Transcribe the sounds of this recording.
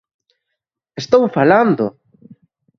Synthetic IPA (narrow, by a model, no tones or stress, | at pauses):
est̪owfaland̪ʊ̰